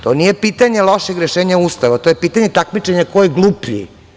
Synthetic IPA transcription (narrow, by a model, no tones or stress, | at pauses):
t̪o̞nijepit̪aɲelˠoʃeɡɾeʃeːɲauːst̪aʋat̪ojepiːt̪aɲet̪akmit͡ʃeɲakojeɡlˠupii